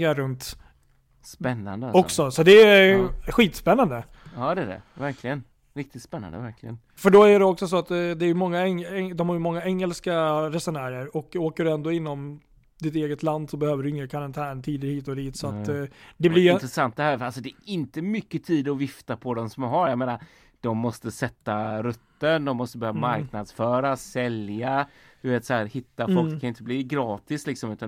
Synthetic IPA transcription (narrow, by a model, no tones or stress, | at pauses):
ŋaɾɵnt̪ | spɛnːa̰nd̪əɔksɔsɔd̪ɛ | ɧiːt̪spɛnːand̪ə | ɑːd̪ɛdɛ̰væɾklɪɡən | ɾɪk̚t̪ɪt̪spɛnːa̰nd̪ə̰væɾklɪɡən | fœɖɔæɖɛɔksɔsɔat̪d̪ɛæɾjɵmɔŋːaɛŋɛd̪ɔmhaɾjɵmɔŋːaɛŋːɛlskaɾɛsʊnæːɾəɾɔkːoːkəɖɵɛnd̪oːɪnːɔm | d̪ɪt̪eːɡət̪land̪sɔbɛhøːvəɖɵɪŋːakʰaɾant̪ʰæːɳt̪ʰiːd̪əɾhiːt̪ɔd̪iːt̪sɔat̪ːd̪ɛblɪjɪt̪ɾəsant̪̚d̪ɛhæːɾɾalsɔd̪ɛʔɪnt̪əmʏkːət̪ʰiːd̪ɔvɪft̪apʰɔd̪ɔmsɔmɦaɾjameːnaɾ | d̪̥ɔmːɔst̪əsɛt̪ːaɾɵt̪ːənd̪ɔmːɔst̪əbɛhøːvamaɾknad̪sfœːɾasɛlja | d̪ɵveːt̪sɛhæːɾhɪt̪ːafɔlkʰanjɪnt̪əbliːɡɾɑːt̪ɪslɪksɔmʉ̟ːt̪a